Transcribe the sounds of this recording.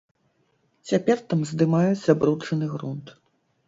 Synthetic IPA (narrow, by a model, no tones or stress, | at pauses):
t͡sʲapʲɛrt̪amzd̪ɨmajud͡zʲzabɾut͡ʂɐnɨɣɾunt̪